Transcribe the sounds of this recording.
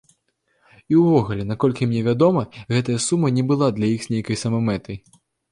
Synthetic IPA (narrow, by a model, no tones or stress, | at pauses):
iwvɔɣulʲɛnakɔlʲkʲimnʲɛvʲad̪ɔmɐɣɛt̪ɐjɐsumɐnʲɛbɨlˠad̪lʲɐjixz̥ʲnʲejkɐjsɐmɐmɛt̪ɐj